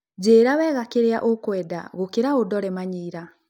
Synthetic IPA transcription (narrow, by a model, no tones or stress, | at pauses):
d͡ʑeːɾawɛɣakeɾea̰ʔokwɛda̰ɣokeɾaodɔɾɛmaɲiːɾa